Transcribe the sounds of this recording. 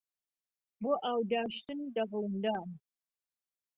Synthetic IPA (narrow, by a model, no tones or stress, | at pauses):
bʊʔaːwdaːʃtɨndɐʁəwndaːm